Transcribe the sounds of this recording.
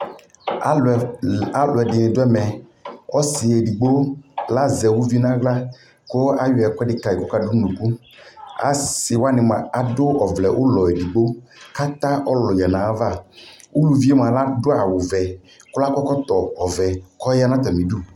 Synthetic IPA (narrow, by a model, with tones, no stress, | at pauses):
a˦lʊ˨ɛ˨ɖɪ˨nɪ̃˨do˦ɛ˦mɛ˨ɔ˦si˨e˨ɖi˨ɡ͡bo˦la˦zɛ˨wu˦vi˦nã˦ɡla˦ | ko˦a˦jɔ˨˦ɛ˨kɔ˦ɖɪ˦ka˦˨i˨kɔ˦ka˦ɖu˦nũ˨ku˦ | a̰˨si˨wa˦nɪ̃˨mã˨a˨do˦ɔ˨vlɛ˨wʔo˦lɔ˨e˨di˨ɡ͡bo˦ka˦t̪ã˦ʔɔ˦lɔ˨ja˨nã˨˦va˦˨ | wu˦lu˨vi˦e˦m˨ã˨la˦ɖo˦a˨wo˨vɛ˨ | ko˦la˦kɔ˦kɔ˦t̪ɔ˨ɔ˨vɛ˨kɔ˦ja˦nã˦t̪ɔ˨mĩ˨ɖu˦˨